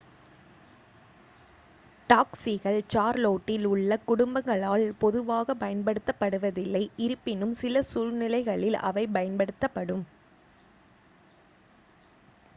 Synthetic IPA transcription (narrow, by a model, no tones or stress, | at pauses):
ʈaːksiɣɐɭt͡ʃaːɾloːʈːɪlʊɭːɐkʊɽʊmbɐŋɡɐɭaːlpɔðɯʋaːɣɐpɐjɐnpɐɽɯt̪ːɐpːɐɽɯʋɐðɪlːɐɪɪɾɯpːɪnɯmsɪlɐsuɻnɪlɐɪɣɐɭɪlɐ̰ʋɐɪpɐjɐnpɐɽɯt̪ːɐpːɐɽɯm